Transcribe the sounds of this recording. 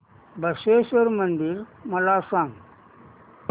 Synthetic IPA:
bʱəsesəɾmənd̪iɾməlasãŋ

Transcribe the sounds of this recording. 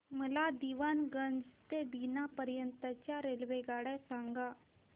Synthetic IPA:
məlad̪iʋanɡənd͡zt̪ebinapəɾjənt̪at͡ɕjaɾelʋeɡaɽasãŋɡa

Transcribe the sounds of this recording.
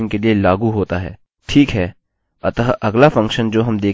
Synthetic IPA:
nkelielaːɡuɦoːt̪aɦɛ̰ː | ʈʰiːkɦɛː | ɐt̪əʔɐɡlafɐ̃ŋkʃənd͡ʒoːɦɐmd̪eː

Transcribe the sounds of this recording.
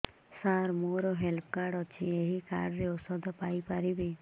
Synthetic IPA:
saɾmoɾɔɦelpkaɖɔt͡ʃʰḭeɦika̰ɽɔɾeɔsɔd̪ʱɔpajpaɾibi

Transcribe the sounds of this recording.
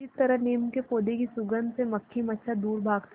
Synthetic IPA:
it̪ɐɾəɦneːmkepoːd̪ekisʊɡənd̪semɐkʰːimɐtːʃʰad̪uːɾbʱaːɡt̪ʰ

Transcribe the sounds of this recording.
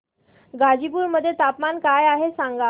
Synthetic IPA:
ɡad͡ʑip̬uːɾməd̪ʱːjet̪apmankajaɦesãŋɡa

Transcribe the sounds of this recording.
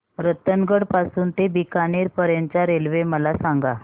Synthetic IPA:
ɾət̪ənɡəɽpasuːnt̪ebikaniːɾpəɾjaɲt͡ɕaɾelʋeməlasaŋɡa

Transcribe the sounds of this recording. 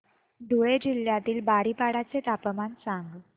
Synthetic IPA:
d̪ʱuɭed͡ʑiljat̪iːlbaɽipaɽat͡set̪apəmansaŋɡ

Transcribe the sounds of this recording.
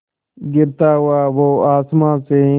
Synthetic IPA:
ɡɪɾt̪aːɦʊaːʋoːaːsmãːseː

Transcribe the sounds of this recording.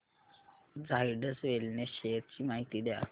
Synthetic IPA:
d͡zajɖəsʋelneɕeɾ̚t͡ɕiːmaɦit̪iːd̪ja̰

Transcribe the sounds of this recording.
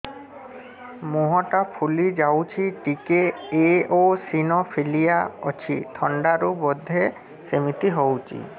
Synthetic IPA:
moɦɔʈapʰulid͡ʒawt͡ʃʰiʈikeeosinɔpʰelijaɔ̰t͡ʃʰit̪ʰɔɳɖaɾubɔd̪ʱːe | semit̪iɦɔwt͡ʃʰḭ

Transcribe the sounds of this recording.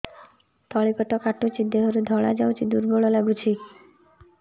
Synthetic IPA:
t̪ɔɭipɔʈɔkaʈut͡ʃʰid̪eɦɔɾud̪ʱɔɭad͡ʒawt͡ʃʰid̪uɾbɔɭɔlaɡut͡ʃʰi

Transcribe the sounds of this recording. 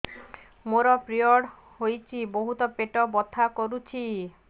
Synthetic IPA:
moɾɔpɾioɽ | ɦojt͡ɕʰiboɦut̪ɔpeʈɔbɔt̪ʰːakoɾut͡ɕʰi

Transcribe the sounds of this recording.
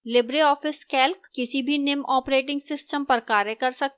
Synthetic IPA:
lɪbɾeɔːfɪskɛːlkkɪsibʱinɪmɔːpɾeːʈɪ̃ŋɡsɪsʈəmpɐɾkaːɾjəkɐɾsɐk̚t̪ː

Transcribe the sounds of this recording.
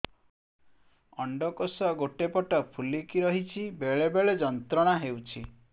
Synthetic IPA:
ɔɳɖɔkosɔɡoʈepɔʈɔpʰulikiɾɔɦit͡ʃʰibeɭebeɭed͡ʒɔnt̪ɾɔɽ̃aɦewt͡ʃʰi

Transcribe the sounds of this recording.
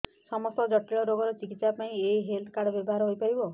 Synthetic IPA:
sɔmɔst̪ɔd͡ʒɔʈːiɭɔɾoɡɔɾɔt͡ʃikit̪sapaĩeɦelt̪ʰɔ̥kaɽbjɔbɔɦaɾɔɦojpaɾibɔ

